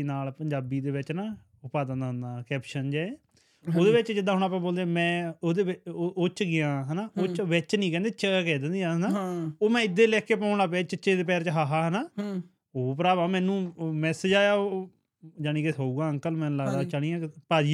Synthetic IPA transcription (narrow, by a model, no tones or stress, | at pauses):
naːlpəɲd͡ʒaːbiːd̪eːʋɪt͡ʃnaː | ʊpaːd̪ənaɦʊnd̪aːkɛːpʃənd͡ʒɛːe | oːd̪eːʋɪt͡ʃd͡ʒɪd̪ãːɦʊɽ̃aːp̬ãːboːld̪eːmɛ̃ːoːd̪eːɪʔoːt͡ʃɡɪjãːɦɛnaːoːt͡ʃʋɪt͡ʃnĩːkɛ̃ːnd̪eːt͡ʃəkɛːd̪ə̃nd̪iːãːnaːoːmɛ̃ːɪd̪ːeːlɛːkeːpɔ̃ːʊɳ̃aːpɛːt͡ʃət͡ʃeːd̪eːp̬ɛːɾt͡ʃəɦaːɦaːɦənaː | oːpəɾaːbaːmɛ̃ːnũːmɛ̃ːsɪd͡ʒaːjaːo | d͡ʒaːɽ̃iːkesouːɡãːəŋkəlmɛ̃ːlaɡd̪aːt͡ʃəɽiːãːpaːd͡ʒiː